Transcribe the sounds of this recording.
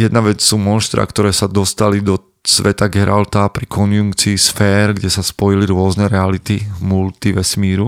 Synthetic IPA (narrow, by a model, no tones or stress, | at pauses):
jɛd̪̚naʋɛt͡ssuːmɔnʃt̪ɾa̰ːkt̪ɔɾɛːsad̪ɔst̪alid̪ɔ | sʋɛt̪aɡɛɾʔalt̪apɾikʰɔnjuŋkt͡siːsfɛːɾɡɟɛsaspɔjiliɾʊɔznɛɾɛalit̪imult̪iʋɛsmiːɾu